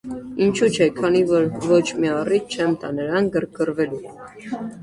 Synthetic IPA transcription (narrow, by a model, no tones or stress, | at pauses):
int͡ʃʰut͡ʃʰɛkʰɑnivɔɾvɔt͡ʃʰmiɑrit̪̚t͡ʃʰɛmt̪ɑnəɾɑŋɡəɾk̚ɡəɾvɛlu